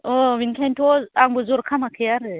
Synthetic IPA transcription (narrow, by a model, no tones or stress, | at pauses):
ominkentoaŋbuzoɾkʰamakʰijaɾe